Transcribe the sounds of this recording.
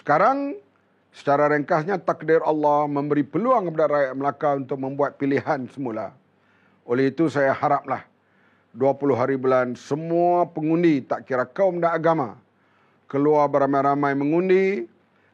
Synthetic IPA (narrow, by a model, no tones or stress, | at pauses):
sə̥kaɾaŋ | sə̥t͡ʃaɾaɾəŋkasɲãt̪akdɪɾɑlːɑhmə̃mbəɾipəluaŋkəp̬adaɾajaʔ̚məlakaunt̪ʊk̚mə̃mbuat̪̚piliɦansəmula̰ | olɛhit̪usajahaɾap̚lah | duapulʊɦaɾibulansəmuapəŋundit̪aʔkiɾakawmdanaɡama | kəluarbəramajɾamãjmə̃ŋundi